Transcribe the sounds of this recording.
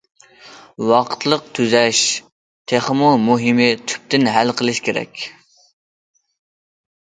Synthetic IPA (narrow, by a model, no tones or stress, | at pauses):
wɑqʰt̪ʰlˠəq̚t̪ʰyzɛʃ | t̪ʰeχmʊmuɦɪmɪt̪ʰy̥p̚t̪ɪnɦælqʰəlˠɨʃkʲʰeɾɛ̰kʲ